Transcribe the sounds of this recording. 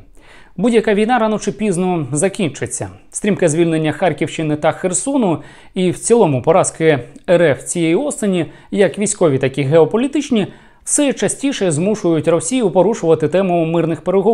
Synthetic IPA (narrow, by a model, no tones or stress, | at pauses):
budʲjɐkɑʋʲijnɑɾɑnɔt͡ʃɪpʲiznɔzɐkʲint͡ʃɪt͡sʲːɐ̰st̪ɾʲimkɪzʲʋʲilʲne̞nʲːɐxɑrkʲiwʃt͡ʃɪnɪt̪ɐxersɔnʊ | iwt͡sʲilˠɔmʊpɔɾɑskɪɛɾɛft͡sʲijejiɔst̪enʲi | jɐkʋʲijsʲkɔʋʲit̪ɐkʲiɦeɔpɔlʲit̪ɪt͡ʃnʲi | wsɛt͡ʃɐsʲtʲiʃɛzmuʃʊjʊtʲrɔsʲijʊpɔɾuʃʊʋɐt̪ɪt̪ɛmʊmɪrnɪxpeɾeɦɔ